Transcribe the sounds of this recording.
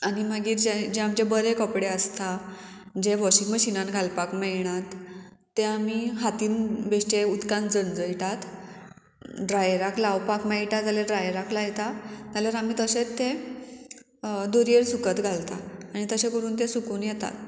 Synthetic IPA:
añiməɡiːɾd͡ʑed͡ʑeamd͡ʑebəɾekɔpɽeəst̪a | d͡ʑeʋɔɕĩŋɡməɕinanɡʱalpakmeɭɳ̃at̪ː | eamiɦat̪iːnbeʂʈeud̪kand͡zənd͡zəiʈat̪ | ɖɾajɾaklawpakmaiʈat̪d͡zaleɖɾajɾaklajɛt̪at̪aləɾamiːt̪əɕet̪ːe | d̪oɾieɾsukət̪ɡʱalt̪a̰aɽ̃it̪əɕekəɽuːnt̪̬esukuːnjɛt̪a̰t̪

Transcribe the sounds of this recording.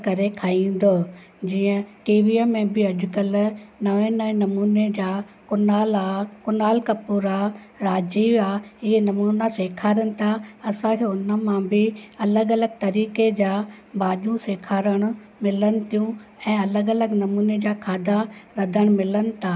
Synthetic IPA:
kɐɾekʰaːĩːn̆d̪oː | d͡ʑiːə̃ʈiːʋiəmẽbɪɐʄʊkəlnɐʋẽnɐʋẽnɐmuːned͡ʑaː | kʊnaːlakʊnaːlkɐpuːɾa | ɾaːd͡ʑiːʋaɦɪnɐmuːnaseːkʰaːɾəñɪ̆t̪ʰaɐsãkʰeːʊnə̆mãbʱɪɐləɡɐləɡ̚t̪ɐɾiːked͡ʑaːbaːʄũseːkʰaːɾəɽ̃ʊ̆ | mɪlənɪ̆t̪ʰijũɛ̃ːɐləɡɐləɡnɐmuːned͡ʑaːkʰaːd̪ʱaɾɐd̪ʱəɽ̃mɪlənɪ̆t̪ʰaː

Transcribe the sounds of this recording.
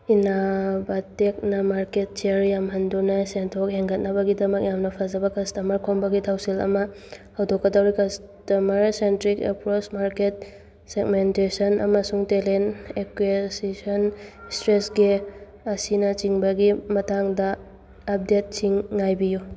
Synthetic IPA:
inabɐtek̚nɐmaɾket̚t͡ʃeɾjamɦɐndunɐsentʰok̚heŋɡɐt̚nɐbɐɡidɐmɐk̚jamnɐpʰazɐbɐkɐstɐmɐɾkʰoŋbɐɡitʰawsilɐ̰mɐ | hɐwdokːɐdɐwɾikɐs | tɐmɐɾsentɾikḛpɾot͡ʃmaɾket̚ | seɡmentesɐnɐ̰mɐsuŋtelenekwesisɔnstɾesɡe | ɐsinɐt͡ʃiŋbɐɡimɐtaŋdɐː | p̚det̚t͡ʃiŋːajbiju

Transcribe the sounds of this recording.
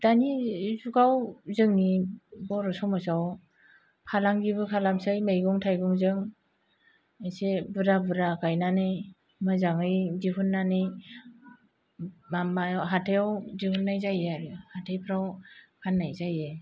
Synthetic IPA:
d̥anizuɡawzɯŋnibɔɾɔsɔwmasaw | pʰalaŋɡiβɯkʰalamsajmejɡɔŋtʰajɡɔŋzɯŋ | ɯjsebɯɾabɯɾakajnanɯj | mɯzaŋɯjdiɦunːanɯj | mamajɦatʰejawdihunːajzajeaɾɯhatʰejpʰɾawkʰanːajzaje

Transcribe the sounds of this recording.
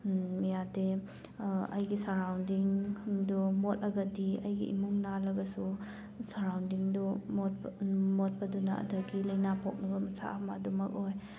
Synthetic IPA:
mijade | ɐ̰jɡisaɾawndiŋdumot̚lɐɡɐdiɐjɡḭḭmuŋnalɐɡɐsu | saɾawndiŋdu | mot̚pɐdunaɐ̰dɐɡilɐjnapʰok̚nɐɡɐmɐsʰa̰amadumɐk̚oj

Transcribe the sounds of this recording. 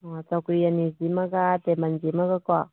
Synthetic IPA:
at̪akuijanizimaɡat̪emand͡ʒimaɡakwa

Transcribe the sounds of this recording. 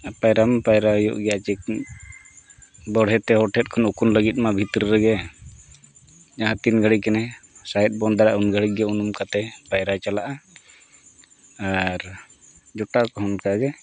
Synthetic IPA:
pajɾampajɾajɔ̰ʔɡɛjat͡ʃɛ | bɔɽ̤ɛt̪ɛɦɔʈʰɛt̚kʰɔnukunləɡit̪̚ˀmabʱit̪ɾiɾɛɡɛ | d͡ʒaɦãt̪inɡʱəɽikɛnɛsajt̪̚bɔnd̪aɾaʔunɡʱəɽiɡɛunumkat̪ɛpajɾat͡ʃalaʔa | aɾd͡ʒɔʈakɔɦɔnkaɡɛ

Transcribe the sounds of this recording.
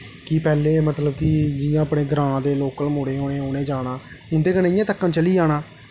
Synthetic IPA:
kɪpɛːleːmət̪ləb̚kɪd͡ʒɪjãːəpɽeːɡɾãːd̪eːloːkəlmoːɽeːɦoːnẽːɦoːnẽːd͡ʒaːnaːʊnd̪eːkənɪjãːt̪əkːãnt͡ʃəliːd͡ʒaːnaː

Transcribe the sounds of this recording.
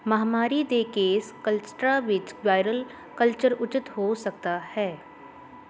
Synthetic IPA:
mɐɦmaːɾid̪eːkeːskəlsʈɾaʋɪt͡ʃʋaːɪɾəl | kəlt͡ʃəɾʊt͡ʃɪt̪ɦosɐk̚t̪ahɛː

